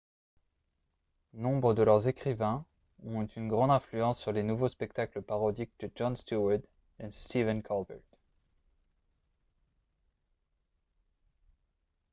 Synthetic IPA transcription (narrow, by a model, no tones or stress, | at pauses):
nɔ̃bʁəd̪əlœʁzekχivɛ̃ | ɔ̃t̪ʰynɡʁɑ̃d̪ɛ̃flyɑ̃sːyʁlenuvospɛk̚t̪akləpaʁɔd̪ik̚d̪̥əʒɔnst̪uɛʁd̪ | ɛst̪ivɛnkʰalbɛʁt̪